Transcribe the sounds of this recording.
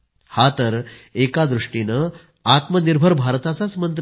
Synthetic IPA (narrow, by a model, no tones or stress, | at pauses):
hat̪əɾekad̪ɾuʂʈinə | at̪məniɾbʱəɾbʱaɾt̪at͡sat͡smənt̪